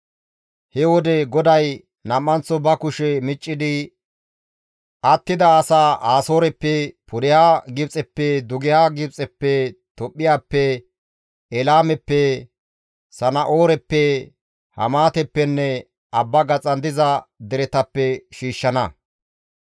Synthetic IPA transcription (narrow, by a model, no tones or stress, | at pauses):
hɛwɔd̪ɛɡɔd̪ɐj | nɐmːɐnt͡sɔbɐkʊʃɛmɪt͡ʃʼːɪd̪ɪ | ʔɐt̪ːɪd̪ɐːsaːʔaːso̞ːɾɛpːɛpʰʊd̪ɛhaːɡɪbt͡sʼɛpːɛd̪ʊɡɪhaːɡɪbt͡sʼɛpːɛt̪ɔpʼːɪjaːpːɛ | ɛlaːmɛpːɛ | sɐnɐʔoːɾɛpːɛ | hɐ̰maːt̪ɛpːɛnːɛ | ɐbːɐɡɐt͡sʼɐnd̪ɪzɐd̪ɛɾɛt̪ɐpːɛʃiːʃːɐnɐ